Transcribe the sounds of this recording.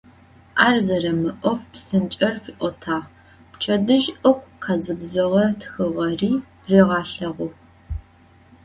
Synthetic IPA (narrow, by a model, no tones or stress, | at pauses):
ʔaːrzɐɾɐmɨʔʷɔfpsɨnt͡ʃʼɐrfiːʔʷɔtʰaːʁ | pt͡ʃʰɐdɨʒʔɨkʷʰʼqʰɑzɨbzɐʁɐtʰxɨʁɐriː | reːʁɑːɬɐʁʷʊ